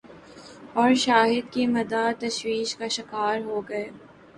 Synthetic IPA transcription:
ɔːɾʃaːɦɪd̪kimɐd̪aːt̪ɐʃwiːʃkaʃɪkaːɾɦoːɡɐeː

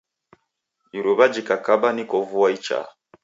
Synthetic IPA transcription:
iɾɔβad͡ʒikakabanikɔvuwait͡ʃa̰

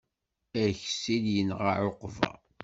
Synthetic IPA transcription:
æɾçsiljənʁaʕoqvæ̰

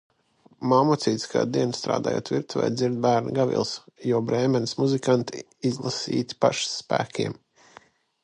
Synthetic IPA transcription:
mamɔt̪siːt̪sʲka̰ːd̪iɛnst̪ɾa̰ːd̪a̰ːjo̰ːt̪viɾt̪vɛ̰jd̪ziɾd̪̚bæːɾn̰ɡavḭlˠsjuɔbɾɛːmɛnsmuzikant̪i | izlˠasḭːt̪i̥pa̰ʃsːpæ̰ːkʲʰiɛm

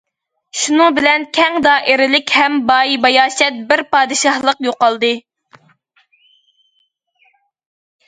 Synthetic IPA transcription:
ʃunɨŋbɪlɛnkʲʰɛŋd̪ɑːʔeɾɪlɪkʲhɛmbɑjbɑjɑːʃɛt̪̚bɪɾpɑːd̪ɨʃɑhlˠəqjoqɑlˠd̪ɨ

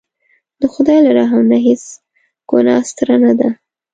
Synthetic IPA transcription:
d̪əxʊd̪ɑjlaɾɑɦawnaɦes | ɡ̥onɑst̪ɾanad̪a

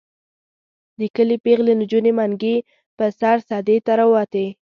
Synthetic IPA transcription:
d̪əkəlepeɣlend͡ʒunemaŋɡe | pəsaɾsɑd̪et̪aɾawɑt̪e

